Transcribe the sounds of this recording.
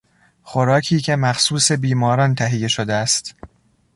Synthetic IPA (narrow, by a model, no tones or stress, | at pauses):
xoɾɒːkʰiːcʰe̞mæxsuːse̞biːmɒːɾɒnt̪ʰæɦijːe̞ʃod̪eæst̪